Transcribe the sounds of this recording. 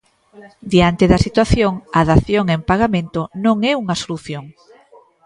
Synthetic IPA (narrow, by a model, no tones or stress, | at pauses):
d̪iant̪eðɐsit̪waθjoŋaðaθjoŋempaɣamẽnt̪onõŋɛuŋɐsoluθjoŋ